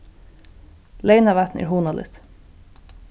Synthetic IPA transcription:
leɪnaʋæt̪nʔɛ̰ːɾɦuːnalɪ̰t̪

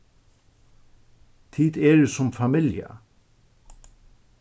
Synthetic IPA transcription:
t̪ʰiːt̪ɛɾsʊmfamɪlja̰

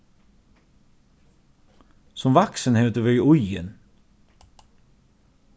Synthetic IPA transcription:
sɔmʋɑksənheːt̪əʋœʏʔʊʏə̰n

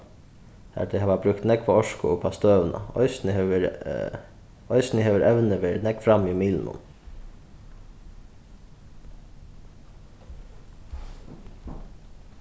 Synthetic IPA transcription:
hæ̰d̪ɛhɑʋɑbɾʉkt̪nɛkfɔɔʃkʊ̰ʊpʰast̪øːʋənʔa̰ɔ̰ʏsnə | ɔʏsnəɦeːʋəɾʔɛʋnəʋeːnɛkfɾamːimiːlnʊ̰m

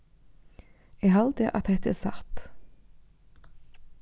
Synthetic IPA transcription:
eːhɑld̪əʔɑt̪̚d̪ɛt̪əḛsɑt̪

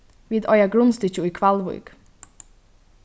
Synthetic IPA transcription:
viːd̪ɔjaɡɾʊnst̪ɪt͡ɕuikʰvalvṵjk

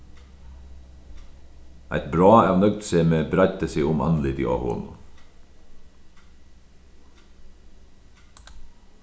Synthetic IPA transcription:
ʔæ̰ɪt̪bɾɑːæːʋnœɡ̚d̪seːmeːbɾæt̪əsiːʊmɑ̰nlɪd̪ḭːʔɑ̰hʊ̰ln̩

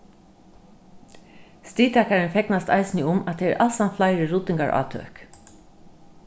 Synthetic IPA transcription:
st̪iːt̪ʰakaɹɪnfɛknast̪a̰ɪsnɪʊmat̪ʰɛɛ̰ɹʔalsanflaɪɾɪɹʊt̪ɪŋka̰ɹʔa̰ːt̪ʰø̰ːk

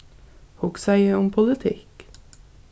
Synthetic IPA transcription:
hʊksæɪəʊmpʰʊlət̪ʰɪk

